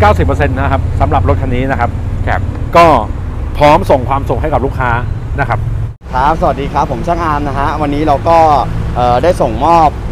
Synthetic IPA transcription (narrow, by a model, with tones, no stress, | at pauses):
kaː˥˩wsi˨˩pːɤ˧se˧nːa˦˥kʰa˦˥p̚sa˩˦mɾa˨˩p̚ɾo˦˥t̪̚kʰa˧niː˦˥na˦˥kʰa˦˥p̚kʰɛ̰ː˨˩p̚kɔː˥˩ | pʰɾɔː˦˥mso˨˩ŋkʰwaː˧msu˨˩k̚ɦa˥˩jka˨˩luː˥˩kʰːaː˦˥ | na˦˥kʰa˦˥p̚ | kʰɾa˦˥p̚sa˧wa˨˩t̚diː˧kʰɾa˦˥pʰːo˩˦mt͡ɕʰaː˥˩ŋʔaː˧mna˦˥kʰa˦˥wa˧nːiː˦˥ɾa˧wkɔː˥˩ʔɤː˨˩daː˥˩jso˨˩ŋmɔː˥˩p̚